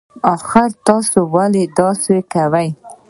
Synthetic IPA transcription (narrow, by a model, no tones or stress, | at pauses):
ɑxɪɾt̪ɑsowaled̪ɑsekawaj